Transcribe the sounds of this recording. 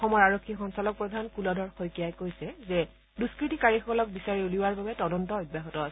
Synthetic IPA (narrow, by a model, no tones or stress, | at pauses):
ɔxɔmɔɹaɹokʰːixɔnsalɔk̚pɹɔdʱankulɔdɔɹxojkijajkojsɛzɛ | duskɹitikaɹixɔkɔlɔk̚bisaɹiuliwaɹbabɛtɔdɔntɔɔjbjaxɔtɔasɛ